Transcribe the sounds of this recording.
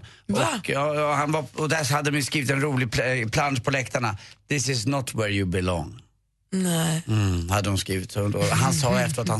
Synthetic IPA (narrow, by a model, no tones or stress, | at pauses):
ɔkɑːhanvaɔd̪æhad̪ːəd̪ɔmjskɾiːvɪt̪ɛnɾuːlɪɡ̚pʰpʰland̪pʰɔlɛkt̪ʰaɳad̪̥ɪsɪsnɔt̪ʰwɛɾjʊbɪlɔ̰ŋ | nɛhad̪ːədʊnskɾiːvɪt̪sɔnɔɦansɑːɛft̪əɾat̪ha